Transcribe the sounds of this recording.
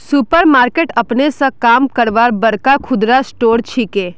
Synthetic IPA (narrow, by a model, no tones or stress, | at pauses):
supəɾmaːɾkeːʈɐpnesãkaːmkəɾʋaːɾbɐɾkakʰʊd̪ɾasʈoːɾt͡ʃʰikeː